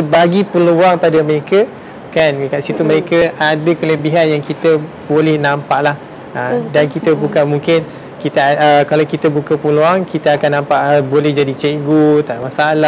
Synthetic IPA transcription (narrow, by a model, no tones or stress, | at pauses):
səbaɡipəluaŋpadəməɾekə | kanwikaʔsit̪umə̃ɾekəadəkələbiɦanjaŋkit̪əbolɛhnãmpaʔlah | ədankit̪əbukamũŋkɪn | kit̪aəkalawkit̪əbukəpəluaŋkit̪əakanːãmpaʔbolɛhd͡ʒadit͡ʃeɡot̪aʔmasala